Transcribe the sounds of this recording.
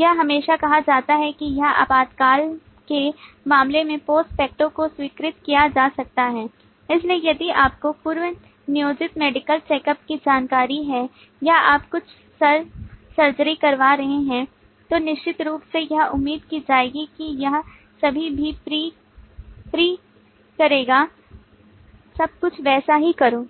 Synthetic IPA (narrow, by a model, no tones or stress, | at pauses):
jɐɦɦɐmeːʃakɐɦad͡ʒaːt̪aɦɛkijɐɦɐ̰paːd̪kaːl | kemaːmlemẽpoːsʈfɛːk̚ʈõkoswiːkɾɪt̪kijad͡ʒaːsɐk̚t̪aɦɛː | ɪsliejɐd̪iʔaːp̚kopuɾʋə | nɪjoːd͡ʒɪt̪meːɖɪkəlt͡ʃɛːkəpkid͡ʒaːnkaːɾiɦɛː | jaaːpkʊt͡ʃʰ | sɐɾsɐɾd͡ʒəɾikɐɾʋaɾɐɦeɦɛ̃ | t̪onɪʃt͡ʃɪt̪ɾuːpsejɐɦʊmːiːd̪kid͡ʒaːeːɡikijɐɦ | sɐbʱibʱipɾiː | pɾiː | kɐɾeːɡaː | sɐb̚kʊt͡ʃʰʋɛːsaɦikɐɾoː